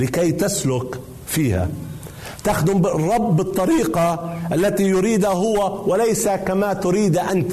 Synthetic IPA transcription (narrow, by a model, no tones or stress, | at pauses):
lɪkajt̪aslʊk | fiːha̰ | t̪axd̪ʊmbɪrˤːɑbːɨt̪ˤːɑɾiːqɑʔalːat̪ijʊɾiːd̪aɦʊwawɪlajsakamat̪ʊɾiːd̪ʔant̪